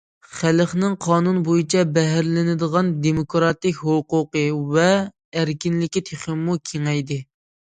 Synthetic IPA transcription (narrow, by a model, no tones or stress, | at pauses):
χælχnɪŋqʰɑːnunbojit͡ʃʰɛbɛɦæɾlɪnɪd̪əʁɑnd̪emokɾɑt̪ɪkʲɦoqʊqəvɛː | ɾkʲinlɪkʲit̪ʰeχɪmːukʲʰeŋɛjd̪ɪ